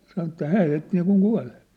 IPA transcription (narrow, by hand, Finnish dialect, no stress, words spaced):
sɑnŏ etːæ hæː heitːi niːkuŋ kuɑ̝lːe̥